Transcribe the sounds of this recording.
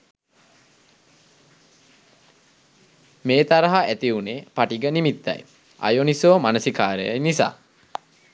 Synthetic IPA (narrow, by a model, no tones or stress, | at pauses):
meːt̪aɾəɦaæt̪iunepaʈiɡənimit̪ːa̰j | a̰jonisoːmanəsikaːɾə̰ja̰jnisa̰ː